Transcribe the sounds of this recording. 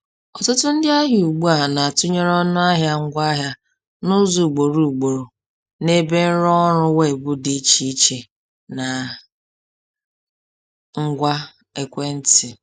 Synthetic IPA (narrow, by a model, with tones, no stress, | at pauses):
ɔ˨tʊ˦tʊ˦n̩˦dɪ˦a˦ɦu˨ɡ͡bu˦a˨na˨a˨tʊ˦ɲe˦ɾɔ˦nʊ˦a˦ɦja˦ŋ̩˦ɡʷa˦ɦja˦ | nʊ˦zu˨ɡ͡bo˨ɾu˨ɡ͡bo˨ɾo˨ | ne˦be˦n̩˦ɾɔ˦ɾʊ˦we˦˨ɡ͡bʊ˦di˦i˦t͡ʃi˦i˦t͡ʃe˨ | na˨ | ŋ̩˦ɡʷa˦ | e˨kʷe˦n̩˦tɪ˨